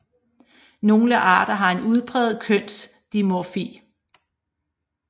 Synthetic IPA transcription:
no̝ːləʔɑ̈ːɾ̥ɐɦɑ̈e̝nuð̞ˠpʰʁɛ̰ːð̞̩ˠkʰøn̰s | d̥imofḭː

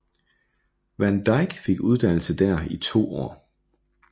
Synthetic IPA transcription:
ʋænd̥ɑɪɡ̥fe̝ɡ̥uð̞ˠd̥æn̰l̩səd̥æɐit͡sʰo̝̰ːɒ̰ː

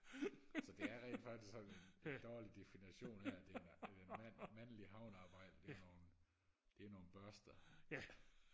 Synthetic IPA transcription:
sɒ̽d̥e̝æɐʁɛ̰lfɑ̈ɡ̥d̥ʰisksɒ̽ne̝nd̥ɒːlid̥e̝finiɕo̝̰ːnhæɐæd̥edemnmænliɦɑ̈ʊ̰nɑ̈ːb̥ɑ̈ɪ̰d̥əd̥e̝no̝ːn̩ | d̥e̝no̝ːn̩b̥ɶɐsd̥ɐ

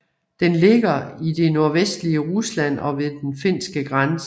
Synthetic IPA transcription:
d̥enle̝ɡ̥ɐid̥e̝no̝ɐʋesd̥liəʁuslæn̰ɒ̽ʋe̝ðˠd̥enfe̝n̰sɡ̥əɡ̥ʁans

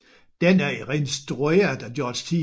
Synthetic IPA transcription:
d̥enæɐiʁensd̥ʁuḛɐd̥æd̥jɒd̥kʰi

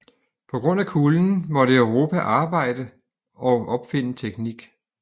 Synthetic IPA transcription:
pʰɒ̽ɡ̥ʁɔ̽n̰ækʰuːln̩mɒ̽ɾəøʊʁo̝ːpʰæʔɑ̈ːb̥ɑ̈ɪ̰d̥ə | ɒ̽ʔɒ̽b̥fe̝n̰ət͡sʰeɡ̥niɡ̥

